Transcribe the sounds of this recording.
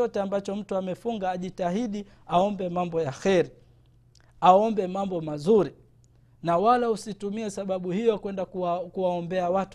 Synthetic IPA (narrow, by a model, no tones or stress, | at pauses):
ɔtɛambat͡ʃɔm̩tuamɛfuŋɡaːʄitaɦiɗi | aɔmbɛmambɔjaxɛɾi | aɔmbɛmambɔmazuɾi | nawalausitumiɛsaɓaɓuhijɔkwɛndakuwaɔmbɛawat